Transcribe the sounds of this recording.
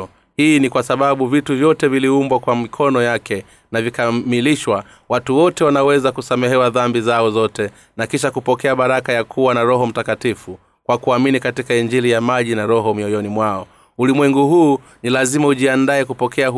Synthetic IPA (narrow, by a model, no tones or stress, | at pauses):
hiːnikwasaɓaɓuvituvjɔtɛviliumbwakwamikʰɔnɔjakɛ | navikamiliʃwa | watuwɔtɛwanawɛzakusamɛɦɛwaðambizaɔzɔtɛ | nakiʃakupɔkɛaɓaɾakajakʰuwanaɾɔɦɔm̩takatifu | kwakuaminikatikaiɲd͡ʒilijamaʄinaɾɔɦɔmiɔjɔnimwaɔ | ulimwɛŋɡuɦuː | nilazimauʄiandaɛkupɔkʰɛa